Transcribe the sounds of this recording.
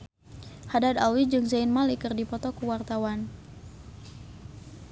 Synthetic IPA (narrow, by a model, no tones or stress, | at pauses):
hadad̪awid͡ʒɨŋsaɪnmalikɨrdipɔt̪ɔkuwart̪awan